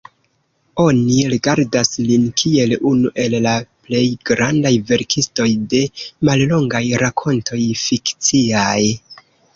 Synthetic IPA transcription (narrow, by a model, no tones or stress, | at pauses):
o̞niɾiɡaɾdaslinkʰie̞lunuʔe̞lːaple̞jɡɾandajve̞ɾkʰisto̞jde̞mallo̞ŋɡajɾakʰo̞ntʰo̞jfikt͡siaj